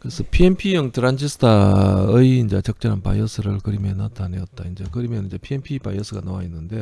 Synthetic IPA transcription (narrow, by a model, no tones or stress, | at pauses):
kɯɾesʰʌpʰienpʰijʌŋtɯɾand͡ʑʰisʰɯ̥tʰaɯiːnd͡ʑat͡ɕʌk̚t͡ɕ͈ʌɾɦanpa̰iʌsʰɯɾɯɭkɯɾimenatʰaneʌt̚t͈aind͡ʑakɯɾimjʌnind͡ʑepʰienpʰipajʌsʰɯɡanowainːɯnde̞